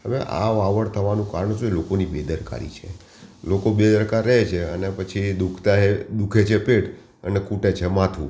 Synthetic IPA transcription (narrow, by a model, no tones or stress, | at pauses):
ɦəʋeʔa̰ʋaʋəɽt̪ʰəʋanũkaɾəɳsoelokonibed̪əɾka̰ɾḭt͡ʃʰḛ | lokobed̪əɾkaɾːəɦet͡ʃʰeənepət͡ʃʰid̪ukʰt̪aɦed̪ukʰet͡ʃʰepeʈ | ənekuʈet͡ʃʰemat̪ʰṵ̃